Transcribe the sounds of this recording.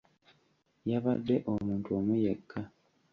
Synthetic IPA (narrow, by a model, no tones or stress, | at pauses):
jaβadːe̞ʔomuːntuo̞mujekʰːa